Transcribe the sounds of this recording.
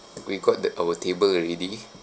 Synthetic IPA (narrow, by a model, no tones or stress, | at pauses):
wiɡɔt̚ʔawətʰebəlɹedi